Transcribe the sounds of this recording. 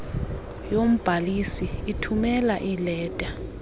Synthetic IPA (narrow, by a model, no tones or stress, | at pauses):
jom̩b̥ʱalisiitʰumɛlaʔilɛːd̥ʼʱa